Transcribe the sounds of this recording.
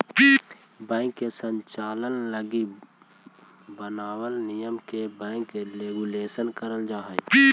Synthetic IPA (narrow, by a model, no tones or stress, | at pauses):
pi | bɛ̃ːŋkːesəɲt͡ʃaːlənləɡi | bənaːwəlnijəmkebɛ̃ːŋkɾeːɡuleːsənkəɾəld͡ʒaːɦəj